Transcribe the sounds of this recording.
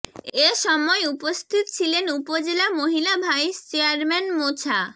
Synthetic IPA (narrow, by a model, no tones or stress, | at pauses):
eʃɔmɔeupost̪ʰit̪ot͡ɕʰilenupod͡ʑelamoɦilabʱajʃt͡ɕeaɾmɛnmot͡ɕʰa